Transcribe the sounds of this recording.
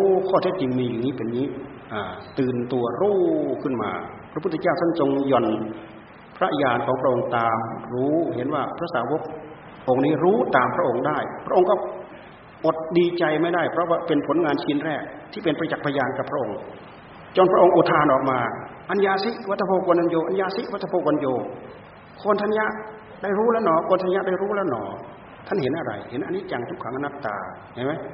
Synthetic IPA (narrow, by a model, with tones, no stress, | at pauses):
kʰɔː˥˩t̪ʰe˧˥˩t̪̚t͡ɕi˧ŋmiː˧ja˨˩ŋniː˦˥pe˨nɲiː˦˥ | ʔaː˨˧˩t̪ɯː˨˩nt̪u˧ɐɾuː˥˩kʰɯ˥˩nma̰ː˧pʰɾa˦pʰt̪ʰːt͡ɕaː˥˩wt̪a˥˨nt͡ɕo˧ŋjɔ˧˩n | pʰɾa˦˥ʔjaː˧nkʰɔː˩˦ŋpʰɾa˧˥ʔo˧ŋt̪aː˧mɾuː˦˥ɦe˨˦nwaː˧˥˩pʰɾa˦˥saː˨˦wo˦˥k̚ | ʔo˧ŋniː˦˥ɾuː˦˥t̪aː˨˧mpʰɾa˦˥ʔo˧ŋdaː˥˩jpʰɾa˥ʔo˧ŋkɔː˥˩ | ʔo˨˩t̪̚diː˧t͡ɕa˧jma˥˩jdaː˥˩jpʰɾɔ˦˥waː˥˩pe˧npʰo˨˩˦nŋaː˧nt͡ɕʰiː˧˥nɾɛː˥˩k̚t̪ʰiː˥˩pe˧npa˧a˧t͡ɕa˨˩k̚pʰa˧jaː˧nka˨˩pʰɾa˦˥ʔo˧ŋ | t͡ɕɔː˧npʰɾa˥ʔo˧ŋʔoː˧˩t̪ʰaː˧nʔɔː˨˩k̚maː˧ʔa˧njaː˧si˦˥wa˦˥t̪ʰːa˧pʰoː˧ko˧nʰa˧njoː˧ʔa˧njaː˧si˦˥wa˦˥t̪ʰːa˧pʰoː˧kwo˧njoː˧ | kʰo˧nt̪ʰa˧˥˨nja˦˥ʔ | daː˥˩jɾuː˦˥lɛː˦˥˩nɔː˨˩kʰo˧nt̪ʰa˧nja˦˥daː˥˩jɾuː˦˥lɛː˦˥wnɔ̰ː˨˩ | t̪ʰa˥˩nhe˩˦nʔa˧ɾa̰˧jhe˩˦nʔa˧nːiː˦˥t͡ɕa˧ŋt̪ʰu˦˥kʰːa˦ŋʔa˧nːa˦˥p̚t̪a̰ː˨˩ | ŋa˧˩jma˦˥j